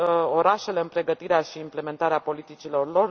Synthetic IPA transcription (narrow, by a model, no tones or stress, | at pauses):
o̞ɾaʃe̞le̞ɨnpɾe̞ɡət̪iɾeaʃiːmple̞me̞nt̪aɾeapo̞lit̪it͡ʃilo̞rlo̞r